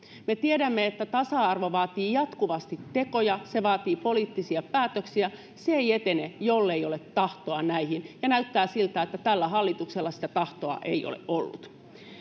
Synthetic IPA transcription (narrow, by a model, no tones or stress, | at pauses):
met̪iedæmːeet̪ːæt̪ɑsɑɑrʋoʋɑːt̪iːjɑt̪kuʋɑst̪it̪ːeko̞jɑseʋɑːt̪iːpoliːt̪ːisiɑpæːt̪øksiæ | seeiet̪enejolːeiolet̪ːɑht̪oɑnæihinjɑnæyt̪ːæːsilt̪æet̪ːæt̪ælːæɦɑlːit̪ukselːɑsi̥t̪æt̪ɑht̪oɑ̰ʔḛio̰lḛʔʔolːṵt̪